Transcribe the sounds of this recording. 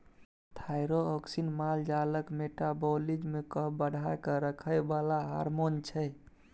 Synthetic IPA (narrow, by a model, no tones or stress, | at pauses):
t̪ʰajɾoɔksinmald͡ʒaləkmeʈabolid͡ʒmekəbəɽʱajkəɾəkʰəjbalaɦa̰ɾmont͡ʃʰə